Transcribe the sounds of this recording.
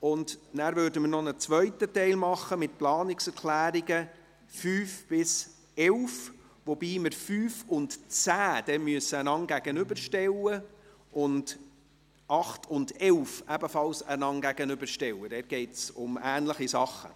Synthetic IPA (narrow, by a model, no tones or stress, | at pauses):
ʊndnæːɾvøːɾdəməɾnɔnət͡sʋœʏtətɛɪlmɑχːəmɪt̚plɑːnɪksɛɾkʰlæːɾiɡə | fyːfb̥ɪs | ɛwf | ʋɔbiːməɾfyːfʊntt͡sæːd̥ɛmyəsəənɑŋɡæɡ̥ənʏbəɾʃtɛlːə | ʔʊnd | ʔɑχtʰʊndɛlfæbəfɑlsənɑŋɡæɡ̥ənʏbəɾʃtɛwədɛɾɡ̥ɛɪtsʊmæːnləχisɑχːə̰